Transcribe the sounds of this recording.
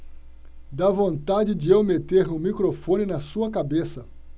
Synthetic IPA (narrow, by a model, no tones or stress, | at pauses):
d̪avõnt̪ad͡ʒɪd͡ʒɪewmet̪eɾũmikɾofõnɪnɐsuɐkabesɐ